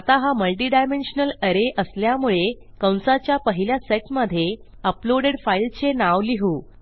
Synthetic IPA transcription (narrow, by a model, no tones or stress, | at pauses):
at̪aɦaməlʈ̬iːɖajmenɕnələɾeʔəsljamuɭe | kəw̃nsat͡ɕjapəɦiljaseʈməd̪ʱje | əploɽeɽfailt͡senaʋliɦuː